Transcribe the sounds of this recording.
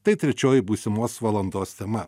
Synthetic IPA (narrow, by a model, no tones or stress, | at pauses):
t̪ɐɪt̪ʲɾʲɛt͡ʃʲoːjɪbuːsʲɪmoːsʋɐlˠɐnd̪oːst̪ʲɛmɐ